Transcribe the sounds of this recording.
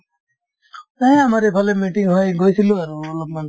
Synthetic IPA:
aẽamaɾepʰɔlemiʈiŋɦɔjɡojt̪ʰiluaɾulɔb̚man

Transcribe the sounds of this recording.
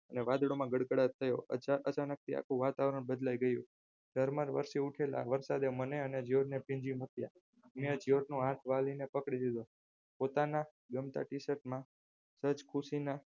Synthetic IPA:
əneʋad̪ɽomãɡəɽkəɽat̪ʰːəjoəʔət͡ʃanək̚t̪ʰia̰kʰuʋat̪aʋɾəɳ̃bəd̪lajɡəjũ | d̪̥ʱəɾməɾʋə̰ɾʃeuʈʰela̰ʋəɾsad̪eməneəned͡ʒioɾnepɪ̃ɲd͡ʒimət̪ja | mẽd͡ʒioɾnũãʈʰʋalinepəkɽid̪id̪o | pot̪ana | ɡəmt̪a̰ʈisəɾʈmã | sət͡ʃkʰusina

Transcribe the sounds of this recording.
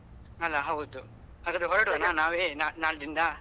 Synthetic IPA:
ɐlːaɦɐʋud̪u | ɦaːɡɐd̪ɾeɦɔɾɐʈɐnanaːʋeːnanaːɭd̪ind̪ɐ

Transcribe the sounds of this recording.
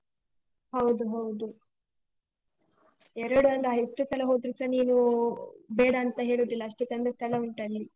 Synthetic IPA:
hɐwd̪uɦɐwd̪u | ɛɾɐɽuɐnd̪ɐɦesʈːusʰɐlɐɦoːd̪ɾusɐniːnu | beːɽɐːnt̪ɐɦe̞ːɭud̪ilɐɐʂʈukɐnd̪ɐst̪ʰɐlɐuɳʈɐlːi

